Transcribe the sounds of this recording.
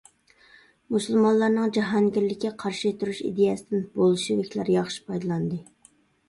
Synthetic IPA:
musulˠmɑnlˠɑɾnɨŋd͡ʒɑɦɑnɡʲillːɪkʲːɛqʰɑɾʃit̪uɾuʃḭd̪ejɛsɨd̪ɪnbolˠuʃivɪkʲlæ̰ɾjɑχʃi̥pʰɑjd̪ɨlˠɑnd̪ɨ

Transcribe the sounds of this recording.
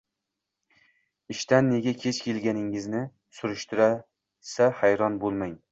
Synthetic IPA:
ɪʃt̪anːe̞ɡʲakʲʰeskʲʰelɡʲanɪŋɪznɪ | sʊɾʊʃt̪ʰʊɾa | sahajɾɒnbolˠmaŋ

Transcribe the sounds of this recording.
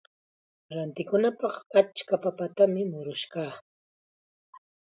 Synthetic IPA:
ɾant̪ɪkʊnapɑχat͡ʃkapapat̪amɪmʊɾʊʃkaː

